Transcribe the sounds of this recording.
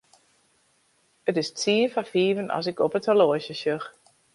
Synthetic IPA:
ətɪstiənfafiːvənʔɔ̰s̬ɪkɔpətʰəloəsəsøx

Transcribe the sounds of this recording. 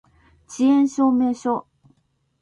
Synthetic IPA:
t͡ɕienɕomɛɕo

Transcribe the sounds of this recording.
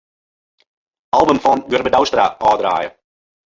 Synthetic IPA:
ɑlˠbəmfɔnɡɵrbədawstraʔɑːdɾa̰ːjə̰

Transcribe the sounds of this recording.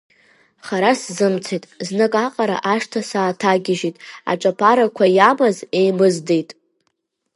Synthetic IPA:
χaɾaszɨmt͡sʰejtʼznɨkʼaqʼaɾa̰ʔaʂtʰasaːtʰaɡʲɪʒitʼa̰ʈ͡ʂʼapʰaɾakʷʰajamazejmɨzdejtʼ

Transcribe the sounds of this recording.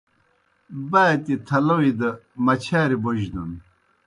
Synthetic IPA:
baːt̪it̪ʰɐlɐwid̪ɐmɐt͡ɕʰaːɾiboʑd̪ɐn

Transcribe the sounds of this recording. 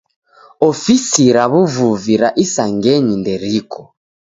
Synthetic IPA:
ɔfisiɾaβuvuviɾaʔisaŋɡɛɲindɛɾikɔ

